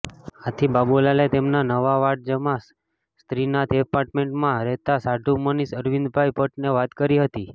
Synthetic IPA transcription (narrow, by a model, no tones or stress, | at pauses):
at̪ʰibabulalet̪emnanəʋaʋaʈ̚d͡ʒəmas | st̪ɾinad̪epaɾʈmeɳʈmãɾɛɦt̪asaɖʱumənisəɾʋind̪bʱajpəʈneʋat̪kəɾiɦət̪i